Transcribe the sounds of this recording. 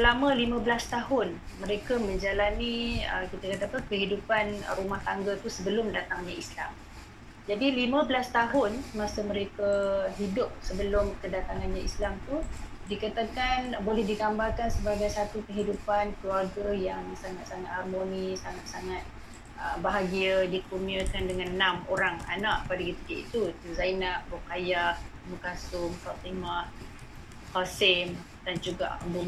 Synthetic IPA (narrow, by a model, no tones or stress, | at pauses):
lamə̃limãbəlast̪aɦʊnmə̃ɾekamə̃ɲd͡ʒalaniə̰kit̪akat̪aːpəkəɦidupanɾumaht̪aŋɡat̪usəbəlʊmdat̪aŋɲaisla̰m | d͡ʒadilimãbəlast̪aɦʊnsəmasəməɾekaɦidʊp̚səbəlʊmkədat̪aŋanɲaislamt̪u | dikat̪akanbolɛhdiɡambalkansəbaɡajsat̪ukəɦidupankəluarɡajaŋsaŋat̪̚saŋat̪harmonisaŋat̪̚saŋat̪̚ | əbaɦaɡiadikumiakandəŋãnːamoɾaŋa̰naʔpadaɡit̪əkiʔit̪ut̪uzajnaʔbokajaʔ | məkasʊmpat̪imah | kasɪm | dand͡ʒuɡa̰ʔəmbu